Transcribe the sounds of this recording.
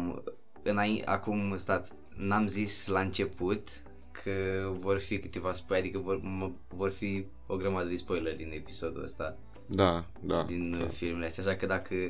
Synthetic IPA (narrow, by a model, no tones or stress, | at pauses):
m | ɨnaia̰kumɨst̪at̪sʲ | namzislaɨnt͡ʃe̞pʰut̪ | kʰəvo̞rfikɨ̥t̪evaspojad̪ikəvormə | vo̞rfi | o̞ɡɾəmad̪əd̪espo̞jlərd̪ine̞piso̞d̪ṵə̰st̪a | d̪a | d̪ad̪infilmeleast̪jaʃakəd̪akʰə